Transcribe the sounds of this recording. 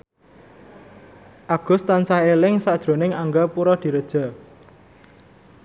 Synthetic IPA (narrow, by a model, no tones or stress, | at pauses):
ʔaɡ̥ʊ̤st̪ansaɦelɪŋsad̥ʒ̥ɾo̤nɪŋaŋɡapuɾɔd̪̥i̤ɾəd̥ʒ̥a̤